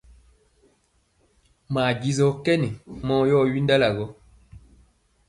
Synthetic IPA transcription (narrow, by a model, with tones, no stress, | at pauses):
maː˨ɟi˨zɔ˨kɛ˦ni˨mɔː˦jɔ˦˨ɥi˦nda˦la˨ɡɔ˦